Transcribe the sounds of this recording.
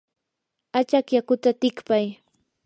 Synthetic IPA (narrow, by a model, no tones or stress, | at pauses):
at͡ʃakjakʊt̪at̪ɪkpaj